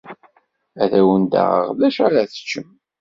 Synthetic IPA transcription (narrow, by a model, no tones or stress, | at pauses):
æðæwənd̪a̰ʁə̰ʁlæʃaɾaθə̥t͡ʃːəm